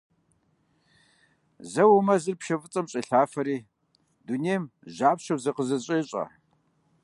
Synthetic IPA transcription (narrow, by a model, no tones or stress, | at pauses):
zɐwɐmɐzɨrpʃɐfɨt͡sʼɐmɕʼiɬaːfɐɾiː | duneːjmʒaːpɕɐbzɐqəzɐɕʼɐɕʼɐ̰